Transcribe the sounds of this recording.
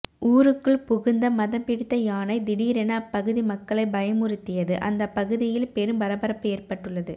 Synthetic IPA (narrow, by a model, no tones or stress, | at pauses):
uːɾɯkːɯɭpʊɣɯnd̪ɐmɐðɐmpɪɽɯt̪ːɐjaːnɐɪd̪ɪɽiːɾɛnɐpːɐɣɯðimɐkːɐɭɐɪbɐjɐmɯɾɪt̪ːɪjɐðɯʔɐ̰nd̪ɐpːɐɣɯðɪjɪlpɛɾɯmʋɐɾɐbɐɾɐpːɯeːrpɐʈːɯɭːɐðɯ